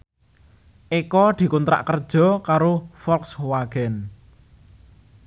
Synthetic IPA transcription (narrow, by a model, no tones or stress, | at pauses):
ʔikɔd̪̥i̤kunt̪ɾa̰ʔkərd̥ʒ̥ɔ̤kaɾofɔlkswaɡ̥ɛn